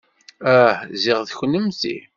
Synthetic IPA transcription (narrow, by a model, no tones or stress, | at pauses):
æhzɪʁðçənːəmθḭ